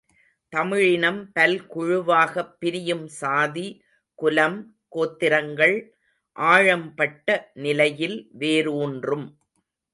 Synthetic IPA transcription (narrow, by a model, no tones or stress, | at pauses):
t̪ɐmɪɻɪnɐmpɐlkʊɻʊʋaːɣɐpːɪɾɪjɯmsaːði | kʊlɐm | koːt̪ːɪɾɐŋɡɐɭ | ʔaːɻɐmpɐʈːɐnɪlɐjɪlʋeːɾuːndrɯm